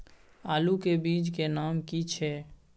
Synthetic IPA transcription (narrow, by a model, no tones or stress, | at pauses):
aːlukebiːt͡ʃkenaːmkit͡ʃʰɛː